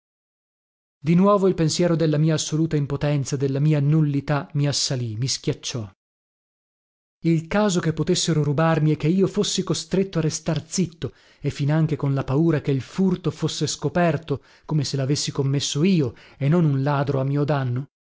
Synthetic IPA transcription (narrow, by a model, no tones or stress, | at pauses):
d̪inwɔːvoilpensjɛːɾod̪elːamiːaːsːoluːt̪aimpot̪ɛnt̪sad̪elːamiːanulːit̪amiasːalimisk̟jat͡ʃːɔ | ilkaːzokepːot̪esːeɾoɾubarmiɛkːeiːofosːikost̪ɾet̪ːoarːest̪art̪sit̪ːo | efːinaŋk̟ekonlapauːɾakeilfurt̪ofosːeskopɛrt̪o | komeselavesːikomːesːoiːoenːonunlaːd̪ɾoamːiːod̪anːo